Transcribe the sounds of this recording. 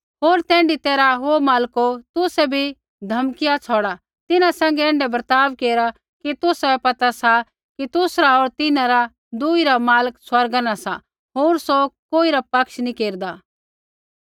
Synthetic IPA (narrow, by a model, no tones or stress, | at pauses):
ɦoːɾt̪ɛ̃ːɳɖit̪eːɾaɦomaːlkot̪ʊsɛbʱi | d̪ʱɐmkɪjat͡sʰɔːɽa | t̪ɪnãsɛ̃ːŋ̆ɡɛɛ̃ːɳɖɛbəɾt̪aːʋkeːɾa | kit̪ʊsɛpɐt̪asa | kit̪ʊsɾaɦoːɾt̪ɪnãɾa | d̪ʊiɾamaːləkswɐɾɡanasa̰ | ɦoːɾsokoːiɾapɐkʃnĩkeːɾd̪aː